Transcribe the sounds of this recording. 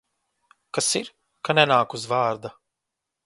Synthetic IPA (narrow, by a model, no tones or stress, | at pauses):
kasiɾ | kanɛnaːkuzvaːɾd̪a